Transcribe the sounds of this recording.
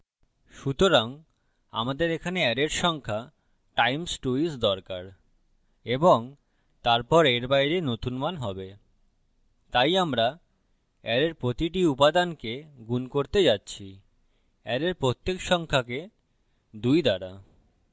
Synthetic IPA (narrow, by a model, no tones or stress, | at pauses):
ʃut̪oɾaŋ | a̰mad̪eɾekʰaneɛɖeɾʃɔŋkʰa | ʈajmsʈuisd̪ɔɾkaɾ | eboŋ | t̪aɾpɔɾeɾbajɾenot̪unmanɦɔbe | t̪ajamɾa | ɛɾeɾpɾot̪iʈiupad̪ankeɡunkoɾt̪ed͡ʑatːɕʰi | ɛɾeɾpɾot̪ːekʃɔŋkʰake | d̪ujd̪aɾa